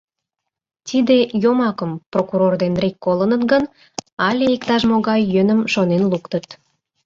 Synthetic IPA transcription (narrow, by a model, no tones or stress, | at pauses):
t̪id̪ejomɑkəmprokuɾord̪enrekːolənət̪ɡən | ɑlʲeikt̪ɑʃmoɣɑjːønəmʃonenlukt̪ət̪